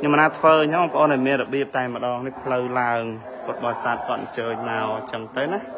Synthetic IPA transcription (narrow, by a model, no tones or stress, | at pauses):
ɲomːənaːt̪ʰʋəːɲompə̆ʔoːnʔɑɔjmiənrɔɓiəp̚t̪aɛmə̆ɗɑːŋnihpʰləwlaəŋ | pʊt̪̚ɓɑsaːt̪̚kŏət̪̚ɲt͡ɕəːɲnaɔt͡ɕəŋt̪ɨwna